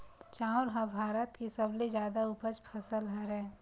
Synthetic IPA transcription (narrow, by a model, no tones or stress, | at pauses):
t͡ʃãːʊɾɦãbʱaːɾət̪kesəbled͡ʒjaːd̪aʊpət͡ʃpʰəsəlɦɛɾɛ̃ː